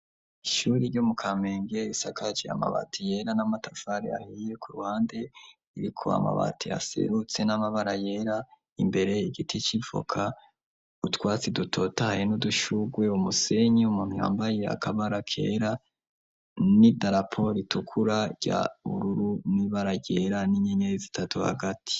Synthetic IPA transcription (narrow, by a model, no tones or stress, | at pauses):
iʃuɾiɾɟumukʰame̞ːŋɡe̞isakʰad͡ʒea̰ma̰βa̰tʰije̞ɾanamatafaɾea̰hije̞kuɾuhaːnde̞ | iɾikʰoa̰ma̰βa̰tʰia̰sḛɾut͡se̞namaβaɾaje̞ɾa | imbe̞ɾe̞iɡitʰit͡ʃivo̰kʰa | utwaːt͡sidutʰo̞ːtahjenuduʃuɡwe̞umuse̞ɲeumuːn̥huja̰ːmbaje̞a̰kʰaβaɾakʰe̞ːɾa | nidaɾapʰo̞ɾitʰukʰuɾaɟa̰βuɾuɾuniβaɾaɟeɾaniɲeɲezitʰatuha̰ɡatʰi̥